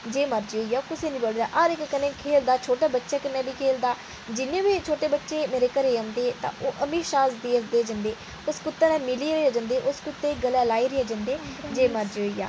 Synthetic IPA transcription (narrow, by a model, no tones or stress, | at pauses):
d͡ʒeːməɾd͡ʒoːijaːkʊseːnĩːboːld̪aːʔaːɾɪkːənẽːkʰeːld̪aːt͡ʃʰoːʈaːbətːʃaːkɪnːɛːbiːkʰeːld̪aː | d͡ʒɪnẽːbiːt͡ʃʰoːʈeːbətːʃeːmeːɾeːkəɾeːãːnd̪eːt̪ã̰ːʔoːʔəmiːʃaːsd̪iːəsd̪eːd͡ʒə̃nd̪eː | ʊskʊt̪ːeːnɛ̃ːmɪliːɾeaːd͡ʒə̃ːnd̪eːʔʊskʊt̪ːeːɡəlɛːlaːiːɾeaːd͡ʒə̃nd̪eːd͡ʒeːməɾd͡ʒoiːja̰ː